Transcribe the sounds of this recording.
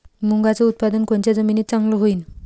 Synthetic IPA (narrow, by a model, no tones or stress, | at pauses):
muŋɡat͡səut̪̚pad̪ənkɔnt͡ʃad͡zəminit͡saŋloɦujin